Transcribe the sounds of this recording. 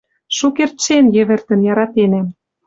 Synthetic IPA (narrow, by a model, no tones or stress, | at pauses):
ʃukert̪ʃenjĕβɘ̆rt̪ə̆njɑɾɑt̪enæm